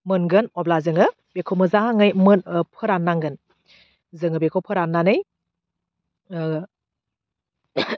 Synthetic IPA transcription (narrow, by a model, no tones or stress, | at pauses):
mɯnɡɯnɔblazɯŋɯ | bekʰomɯzaŋɯjmɯnpʰɯɾanːaŋɡɯn | zɯŋɯbekʰowpʰɯɾanːanɯj